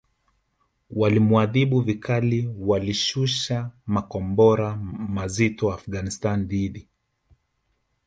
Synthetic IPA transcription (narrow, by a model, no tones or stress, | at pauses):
walimwaðiɓuvikʰaliwaliʃuʃamakɔmbɔɾamazitɔafɡanistanðiɗi